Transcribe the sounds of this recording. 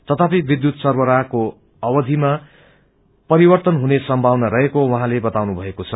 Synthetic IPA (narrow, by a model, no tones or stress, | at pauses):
t̪ʌt̪ʰapibid̪jut̪sʌrwʌɾako | ʌwʌd̪ʱima | pʌɾibʌrt̪ʌnɦunesʌmbʱawnʌɾʌɦekowʌɦãlebʌt̪awnubʱʌekot͡sʰʌ